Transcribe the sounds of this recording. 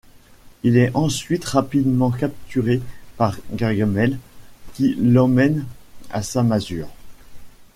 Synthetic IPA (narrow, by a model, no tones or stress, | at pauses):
ilɛɑ̃sɥit̪ʁapid̪mɑ̃kap̚t̪ʰyʁepaʁɡaʁɡamɛlkʲilɑ̃mɛna̰samazyːʁ